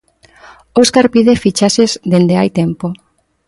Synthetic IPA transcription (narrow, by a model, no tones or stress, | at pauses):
oskaɾpiðefit͡ʃaʃezd̪end̪eajt̪empo